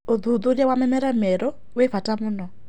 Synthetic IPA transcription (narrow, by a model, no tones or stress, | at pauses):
oðuðoɾjawamɛmɛɾamɛɾɔ | wefatamʊnɔ